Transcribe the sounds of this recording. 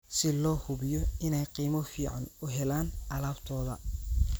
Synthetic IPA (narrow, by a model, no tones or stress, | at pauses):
sɪlɔːhʊβɪjɔɪnɛjqiːmɔfiːʕa̰nʊɦɛlaːnʔɐlaːbt̪ʰɔːðɐ̰